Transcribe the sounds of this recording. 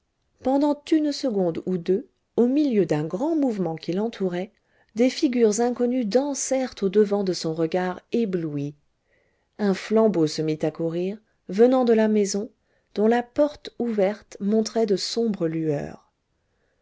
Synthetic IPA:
pɑ̃d̪ɑ̃t̪ynsəɡɔ̃d̪ud̪ø | omiljød̪ɛ̃ɡʁɑ̃muvmɑ̃kilɑ̃t̪ʰuʁɛ | d̪efiɡʲyʁzɛ̃kɔnyd̪ɑ̃sɛʁt̪od̪əvɑ̃d̪əsɔ̃ʁəɡaʁeblui | ɛ̃flɑ̃bosəmit̪akuʁiʁ | vənɑ̃d̪əlamɛzɔ̃ | d̪̥ɔ̃lapɔʁt̪uvɛʁt̪mɔ̃t̪χɛd̪əsɔ̃bʁəlyœ̰ːʁ

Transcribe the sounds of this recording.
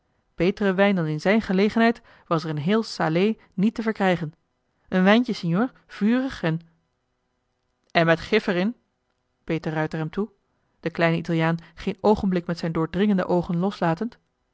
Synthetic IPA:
b̥ejtərəʋɛjndɑnɪnzɛjnχəlejχənɦɛjt | ʋɑsɛɹənɦɪːlˠsaːlej | nitəvəɹkrɛjχən | ʔənʋɛjncəsɛnjoːɹ | v̥yːrəχɛn | ɛnmɛtχɪfərɪn | b̥ejtərœɥtəɹɦɛmtu | d̥əklɛjnəitalˠjaːnχejnowχənblɪkmɛtsɛjndʊːɹdrɪŋəndə̰ʔowχənlɔslaːtənt

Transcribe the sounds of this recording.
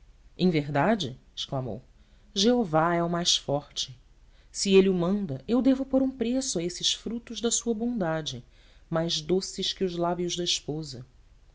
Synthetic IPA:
ḛ̃j̃veɦd̪ad͡ʒɪɪ̥ʃklamo̰w | ʒeovaɛʊmajsfɔɾt͡ʃɪ | sieliʊmɐ̃nd̪ɐʔewd̪evʊpoɾũpɾesʊɐesɪʃfɾut̪ʊʒd̪ɐsuɐbõnd̪ad͡ʒɪ | majzd̪osɪʃkɪʊzlabiʊʒd̪ɐiʃpozɐ

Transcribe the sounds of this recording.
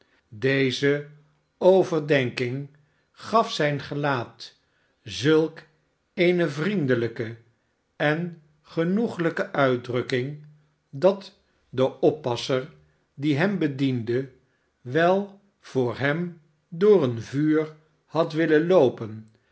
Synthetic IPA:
dejzə | owvəɹdɛŋkɪŋ | χɑfsɛjnχəlaːt | zɵlˠk | ejnəvrindələkə | ɛn | χənuχələkəʔœɥdrɵkɪŋ | dɑt | dəʔɔpːɑsəɹ | diɦɛmbədində | ʋɛlˠ | v̥ʊːɹɦɛm | dʊːɹənvyːɹ | hɑtʋɪləlowpən

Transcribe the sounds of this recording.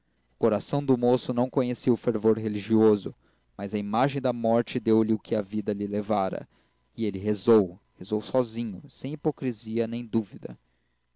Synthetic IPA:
ʊ̥koɾasɐ̃w̃d̪ʊmosʊnɐ̃w̃kõɲesiwʊfeɾvoɾɦeliʒiozʊ | mazɐimaʒẽj̃d̪ɐmɔɾt͡ʃɪd̪ewlɪʊkʰɪɐvid̪ɐlɪlevaɾɐ̰ | ɪelɪɦezowhezowsɔzĩɲʊsẽj̃ipokɾiziɐnẽj̃d̪uvid̪ɐ̰

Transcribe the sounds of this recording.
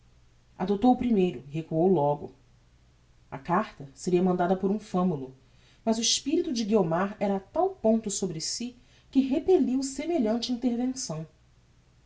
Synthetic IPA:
a̰d̪ot̪owʊpɾimejɾʊɪɦekuowlɔɡʊ̰ | ɐ̰kaɾt̪ɐseɾiɐmɐ̃nd̪ad̪ɐpoɾũfɐ̃mulʊ | mɐzʊiʃpiɾit̪ʊd͡ʒɪɡiomaɾɛɾɐːt̪awpõnt̪ʊsobɾɪsi | kɪɦepeliwsemeʎɐ̃nt͡ʃɪĩnt̪eɾvẽsɐ̃w̃

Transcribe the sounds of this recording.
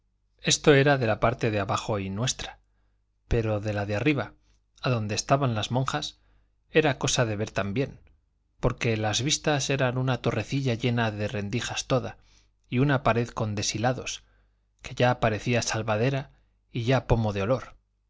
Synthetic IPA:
e̞st̪o̞e̞ɾaðe̞lapaɾt̪e̞ðeaβaxo̞inwe̞st̪ɾḁ | pe̞ɾo̞ðe̞laðeariβa | aðo̞nd̪e̞ːst̪aβanlazmõ̞ŋxas | e̞ɾako̞saðe̞β̞e̞ɾt̪ambje̞n | po̞ɾke̞lazβist̪ase̞ɾanunat̪o̞re̞θiʎaʝe̞naðe̞re̞nd̪ixast̪o̞ða̰ | iunapaɾe̞ðko̞nd̪e̞silaðo̞s | ke̞ʝaːpaɾe̞θiasalβaðe̞ɾa | iʝapo̞mo̞ð̞eo̞lo̞ɾ

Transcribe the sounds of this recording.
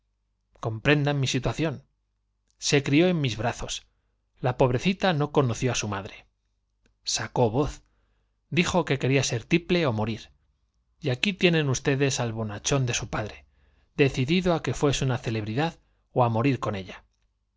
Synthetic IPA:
ko̞mpɾe̞nd̪anmisit̪waθjo̞n | se̞kɾio̞e̞mmːizβɾaθo̞s | lapo̞βɾe̞θit̪ano̞ko̞noθjo̞asumaðɾe̞ | sako̞βo̞θ | d̪ixo̞ke̞ke̞ɾiase̞ɾt̪iple̞o̞mo̞ɾiɾ | iakit̪je̞nẽ̞nust̪e̞ðe̞salβo̞nat͡ʃo̞nd̪e̞supaðɾe̞ | ðe̞θiðiðoake̞fwe̞sunaθele̞βɾiðað | oamo̞ɾiɾko̞ne̞ʎa

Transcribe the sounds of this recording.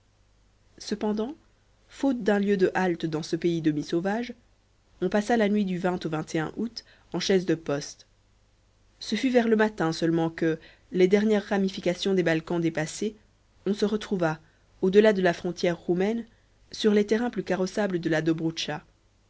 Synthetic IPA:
səpɑ̃d̪ɑ̃ | fot̪̚d̪ɛ̃ljød̪əʔalt̪d̪ɑ̃səpeid̪əmisovaʒ | ɔ̃pasalanɥid̪yvɛ̃t̪ovɛ̃t̪eɛ̰̃ʔut̪ | ɑ̃ʃɛzd̪əpɔst̪ | səfyvɛʁləmat̪ɛ̃sœlmɑ̃kə | led̪ɛʁnjɛʁːamifikasjɔ̃d̪ebalkɑ̃d̪epase | ɔ̃səʁət̪χuva | od̪əlad̪əlafχɔ̃t̪jɛʁːumɛn | syʁlet̪ɛʁɛ̃plykaʁɔsabləd̪əlad̪obʁuʃa

